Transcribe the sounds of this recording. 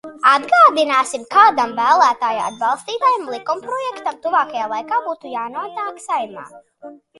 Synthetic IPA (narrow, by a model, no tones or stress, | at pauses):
ad̪ɡaːd̪inaːsimkaːd̪ambæːlˠæːt̪aːjaa̰d̪̚bɑlˠst̪iːt̪aːjamlˠikumpɾɔjɛkt̪amt̪uvaːkajaːlˠajkaːbuːt̪ujaːnuɔt̪aːksajma̰ː